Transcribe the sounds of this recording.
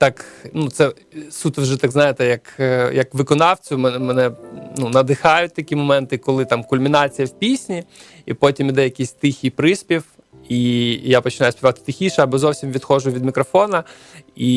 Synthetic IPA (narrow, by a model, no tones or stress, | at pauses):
t̪ɑknut̪sɛ | sut̪wʒɛt̪aɡznɑjet̪ɛjɐkjɐkʋɪkɔnɑwt͡sʲʊmɛmɛnɛnunɐd̪ɪxɑjʊt̚ʲt̪ɐkʲimɔmɛnt̪ɪkɔlˠɪt̪ɑmkʊlʲmʲinɑt͡sʲijɐwpʲisʲnʲi | ḭpɔtʲimid̪ɛjɐkʲisʲt̪ɪxʲipɾɪsʲpʲiw | ijapɔt͡ʃɪnɑjʊspʲiʋat̪ɪ̥t̪ɪxʲiʃɛɐbɔzɔwsʲimʋʲid̪xɔʒʊʋʲid̪mʲikɾɔfɔnɐ | i